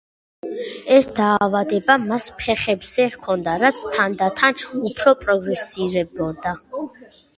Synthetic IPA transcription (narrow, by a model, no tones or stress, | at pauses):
ɛsd̪aːvad̪ɛbamaspʰɛχɛbz̥ɛkʰɔnd̪aɾat̪sʰt̪ʰand̪at̪ʰanupʰɾɔpʼɾɔɡɾɛsiɾɛbɔd̪a